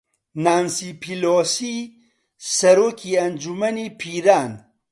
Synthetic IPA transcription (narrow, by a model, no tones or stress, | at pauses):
naːnsipʰiloːsi | sɐɾoːkʰiːɐnd͡ʒumɐniːpʰiːɾaːn